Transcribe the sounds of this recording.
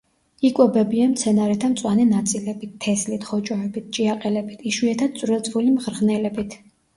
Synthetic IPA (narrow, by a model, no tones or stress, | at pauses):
ikʼwɔbɛbiamt̪sʰɛnaɾɛt̪ʰamt̪sʼwanɛnat̪sʼilɛbit̪̚ʰːɛslit̪ʰχɔt͡ʃʼɔɛbit̪̚ʰt͡ʃʼiaqʼɛlɛbit̪ʰiʃwiɛt̪ʰad̪̚sʼvɾɛlˠt̪sʼvulimʁɾʁnɛlɛbit̪ʰ